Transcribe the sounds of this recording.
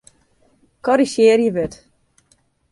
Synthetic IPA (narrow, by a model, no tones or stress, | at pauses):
kʰɔɾiʃjeːrjəʋøt